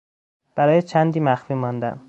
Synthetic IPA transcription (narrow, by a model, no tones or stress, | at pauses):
b̥æɾɒːjet͡ʃʰænd̪iːmæxfiːmɒnd̪æ̰m